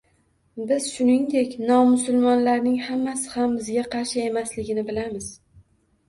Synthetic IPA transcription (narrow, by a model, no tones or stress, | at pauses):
bɪz̥ʃʊnɪŋd̪e̞kʲnɒmʊsʊlˠmɒnlaɾnɪŋhamːasɪ̥hambɪzɡʲaqʰɑɾʃɪe̞maslɪɡʲɪnɪbɪlamɪz̥